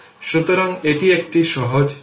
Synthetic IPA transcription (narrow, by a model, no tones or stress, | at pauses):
ʃut̪oɾaŋeʈiek̚ʈiʃɔɦod͡ʑ